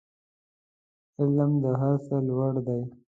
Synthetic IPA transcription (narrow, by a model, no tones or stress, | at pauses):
ɪlmd̪əɦaɾselwaɽd̪aj